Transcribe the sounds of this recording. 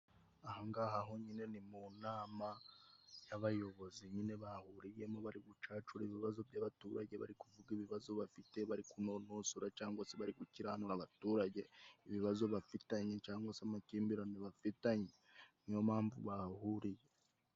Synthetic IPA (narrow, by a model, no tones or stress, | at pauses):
ahaŋɡaɦaɦo̞ɲine̞nimunaːma | jaβajo̞βo̞ziɲine̞βahuɾijemoβaɾiβut͡ʃaːt͡ʃuɾeβiβazo̞bɟaβatuːɾaɟe̞βa̰ɾikuvuɡiβiβazo̞βafite̞βaɾikunonosuɾacaːŋɡwaseβaɾikuciɾahanuɾaβatuːɾaɟe̞iβiβazo̞βafitaɲe̞t͡ʃaːŋɡwasamaciːmbiɾoniβafitaɲe | nijomaːɱvṵβahuɾije̞